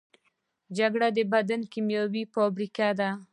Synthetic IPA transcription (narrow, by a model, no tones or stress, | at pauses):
d͡ʒaɡɽad̪əbad̪ankimjawipobɾikad̪a